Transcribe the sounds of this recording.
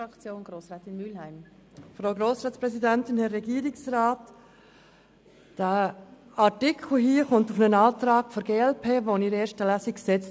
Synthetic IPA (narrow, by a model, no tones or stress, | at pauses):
ɑkt͡sjoːnɡ̥ɾoːsrɛːtɪnmylhæɪm | fɾaʊɡɾoːsɾaːtspɾɛsidæntɪnhɛɾːɛɡiːɾɪksraːt | d̥æː | ɑɾtɪkʰl̩ɦiːəχʊntufnənɑːtrɑːɡfɔɾɡeːɛlpʰeːvoniɾeːɾʃtəlæːsiksɛt͡st